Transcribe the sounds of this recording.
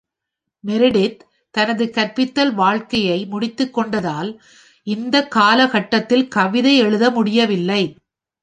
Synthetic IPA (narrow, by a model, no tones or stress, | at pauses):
mɛɾɪɽɪ | t̪ːɐnɐðɯkɐɾpɪt̪ːɐlʋaːɻkɐjɐɪmʊɽɪt̪ːɯkːɔɳɖɐðaːl | ʔɪnd̪ɐkːaːlɐɣɐʈːɐt̪ːɪlkɐʋɪðɐɪɛɻɯðɐmʊɽɪjɐʋɪlːɐɪ